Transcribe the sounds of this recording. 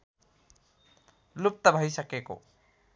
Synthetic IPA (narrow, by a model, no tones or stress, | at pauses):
lup̚t̪ʌbʱʌjsʌkeko̰